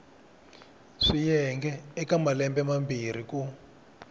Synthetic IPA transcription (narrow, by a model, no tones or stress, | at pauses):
ʂijɛŋɡɛːkamalɛmbɛmambir̤iku